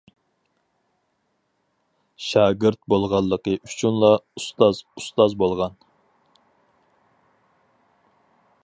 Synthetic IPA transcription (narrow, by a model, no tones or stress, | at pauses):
ʃɑːɡɨɾt̪̚bolˠʁɑlˠːəqəʔyt͡ʃʰynlˠɑust̪ɑzust̪ɑzbolˠʁɑn